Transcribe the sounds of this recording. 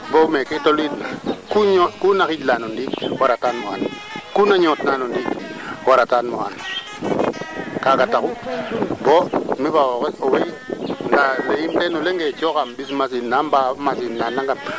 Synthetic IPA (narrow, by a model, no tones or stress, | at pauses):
bomeketolitnakuɲokunakitlanondiwaɾatanmoa̰n | kunaɲotnanondiwaɾatanmoa̰n | kakatakubomiβawokeowendalejimtenoleŋɡet͡ʃokambis̬mas̬inambamas̬innːanaŋɡan